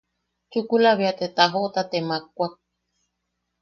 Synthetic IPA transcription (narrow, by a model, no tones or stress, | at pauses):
t͡ʃukulaβiat̪et̪aɦoʔt̪at̪emak̚ʷak̚